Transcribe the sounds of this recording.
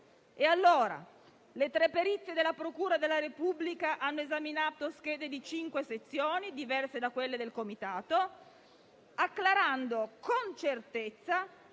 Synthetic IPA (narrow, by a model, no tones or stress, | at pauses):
ealːoːɾa̰ | let̪ɾɛpeɾit̪sːed̪elːapɾokuːɾad̪elːaɾepubːlikaʔanːoezaminaːt̪osk̟ɛːd̪ed̪it͡ʃiŋkweset̪sːjoːnid̪ivɛrsed̪akːwelːed̪elkomit̪aːt̪o | akːlaɾand̪okont͡ʃert̪et̪sːa